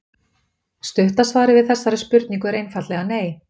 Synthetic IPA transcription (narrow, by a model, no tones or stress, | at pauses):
st̪ʏht̪asvaːɾɪvɪðθɛsːaɾɪspʏɾt̪niŋkʏɛɾejnfat̪lɛɣaneːj